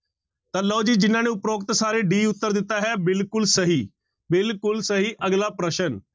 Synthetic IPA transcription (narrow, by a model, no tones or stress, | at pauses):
t̪alɔːd͡ʒiːd͡ʒɪnãːneʊpɾoːkt̪saːɾeɖiːʊt̪ːəɾd̪ɪt̪ːaːɦɛːbɪlkʊlsəɦiː | bɪlkʊlsəɦiːʔəɡlaːpɾəʃən